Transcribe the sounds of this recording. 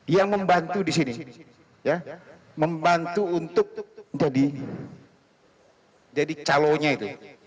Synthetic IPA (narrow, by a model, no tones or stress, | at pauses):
jaŋməmbant̪udisini | ja | məmbant̪uːnt̪ʊk̚d͡ʒadi | d͡ʒadit͡ʃaloɲait̪u